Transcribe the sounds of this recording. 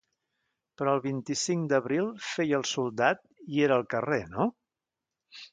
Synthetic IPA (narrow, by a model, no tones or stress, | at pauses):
pɾɔəlˠβint̪isiŋd̪əβɾilˠfejəlˠsulˠd̪at̪̚ieɾəːlˠkəreno